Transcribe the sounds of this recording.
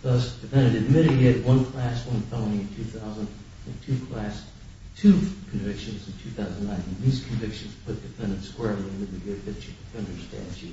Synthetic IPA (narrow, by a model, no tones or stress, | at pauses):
ðʌsd̥ɨfɛ̃ndɨ̃nɨd̚mɪɾɨɾ̚iɨd̚wʌ̃nkʰl̥æswʌ̃nfõʊ̃ɾĩɨ̃ntʰʉθaʊzə̃nd | ɨ̃ntʰʉkʰl̥æs | tʰʉkʰɱvɪkʃɨ̃nz̃n̩tʰʉθaʊzn̩nãɪ̃nɨ̃nðiz̥kʰnɱvɪkʃɨ̃n̩z̥pʰʊθ̚d̥ɨfɛ̃ndɨ̃n̩tskwɛɹlˠiɨ̃nɨ̃d̪̚ðɨɡɪd̚fɪt͡ʃəʌ̃ndə˞stʰæ̰t͡ʃʉ